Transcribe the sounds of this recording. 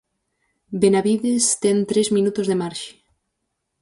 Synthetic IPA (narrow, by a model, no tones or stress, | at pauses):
benaβiðest̪ent̪ɾezmĩnut̪ozðemaɾʃe̥